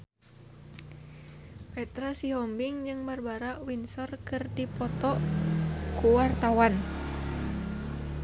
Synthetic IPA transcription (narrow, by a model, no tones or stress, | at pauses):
pɛt̪ɾasiɦɔmbiŋd͡ʒɨŋbarbaɾaʔwinsɔrkɨrdipɔt̪ɔ | kuwart̪awan